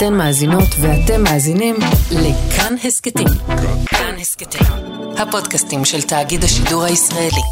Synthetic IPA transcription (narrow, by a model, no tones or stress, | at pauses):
tenmaːzino̞tveate̞mːaːzinimlekʰanhesketimkanhesketim | hapo̞dkastimʃeltaːɡidhaʃiduʁhaisʁae̞li